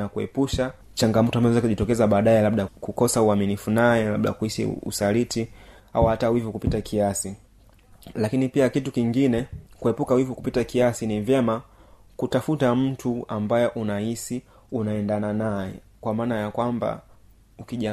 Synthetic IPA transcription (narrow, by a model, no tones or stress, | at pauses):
akuɛ̰puʃa | t͡ʃaŋɡamɔtɔambazɔzakuʄitɔkɛzaɓaːɗaɛlaɓɗakukɔsauaminifunajɛlaɓɗa̰kuisḭṵsaliti | a̰uhatawivukupitakʰiasi | lakinipiakitukiŋɡinɛkuɛpukawivukupitakiasinivjɛma | kutafutam̩tuambajɛʔunahisi | unaɛndananajɛ̰ | kwamaːnajakwamba̰ | ukiʄa